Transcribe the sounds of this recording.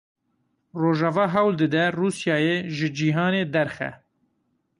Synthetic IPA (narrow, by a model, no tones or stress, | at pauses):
roːʒɑːvɑːɦɛwld̪ɨd̪ɛruːsjɑːjeːʒɨd͡ʒiːɦɑːneːd̪ɛɾxɛ̰